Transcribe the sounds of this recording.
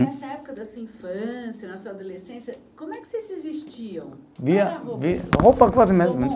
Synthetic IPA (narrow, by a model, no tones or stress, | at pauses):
ɛsɐɛpʊ̥kɐd̪ɐsuɐĩfɐ̃sjɐnɐsuɐad̪olesẽsjɐkõmʊɛkɪ̥sezsɪzviʃt͡ʃiɐ̃w̃viɐviɐhowpɐkazɪmẽt̪mẽ